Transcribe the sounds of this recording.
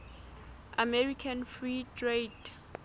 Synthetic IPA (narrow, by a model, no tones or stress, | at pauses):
amɛɹikʰanfɹitʰred